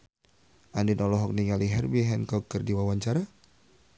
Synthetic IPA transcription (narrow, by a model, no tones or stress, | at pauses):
ʔandinɔlɔɦɔk̚niŋaliɦɛrbiɦɛnkɔkːərdiwawaɲt͡ʃaɾa